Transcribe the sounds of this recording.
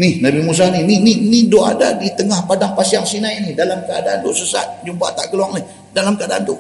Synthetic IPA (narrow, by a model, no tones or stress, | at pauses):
nihnabimus̬aninininidoa̰da̰dit̪əŋahpadaŋpasiaŋsinainihdalamkəa̰daant̪uʔsəsa̰t̪̚d͡ʒumpaa̰t̪a̰ʔkəluaŋnih | dalamkəadaʔa̰nt̪u